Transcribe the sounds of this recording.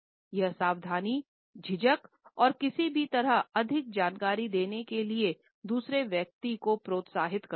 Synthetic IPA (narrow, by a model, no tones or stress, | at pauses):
jɐɦsaːʋd̪ʱaːni | d͡ʒʱɪd͡ʒək | ɔːɾkɪsibʱit̪ɐɾəɦɐd̪ʱɪk̚d͡ʒaːnkaːɾid̪eːnekelie | d̪uːsɾeʋjək̚t̪ikopɾoːt̪saːɦɪt̪kɐ